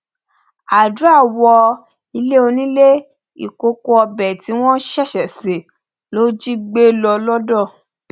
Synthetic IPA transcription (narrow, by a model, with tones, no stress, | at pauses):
a˨du˨˦a˦˨wɔ˧ | i˧le˦o˧nĩ˦le˦ | ḭ˨ko˧ko˧ɔ˧bɛ˨ti˨˦w̃ɔ̃˦ʃɛ˦˨ʃɛ˨se˨ | lo˦d͡ʒi˦ɡ͡be˦lɔ˧lɔ˦dɔ˦˨